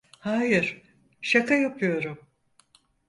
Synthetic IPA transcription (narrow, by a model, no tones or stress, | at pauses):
haːjɪɾ̥ | ʃakʰajapʰɯjo̞ɾum